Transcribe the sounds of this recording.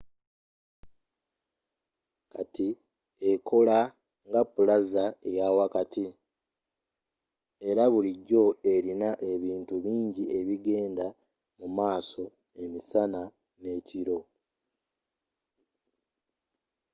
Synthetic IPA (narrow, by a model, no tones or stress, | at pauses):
kati | ekʰo̞la | ŋɡapːulazaejawakati | e̞ɾaβuliɟːo̞e̞ɾinaʔe̞βiːntuβiːɲɟiʔe̞βiɡe̞ːnda | mumaːso̞ | e̞misana | ne̞ːciɾo̞